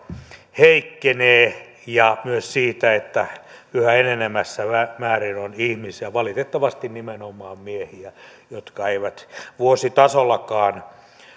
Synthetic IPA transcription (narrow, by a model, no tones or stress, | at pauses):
heikːeneː | jɑmyøssiːt̪æet̪ːæyhæenenemːæsːæʋæmæːrinonihmisiæʋɑlit̪et̪ːɑʋɑst̪innimenomˑɑːmmiehiæjot̪kɑeiʋæt̪ʋuosit̪ɑsolːɑkɑːn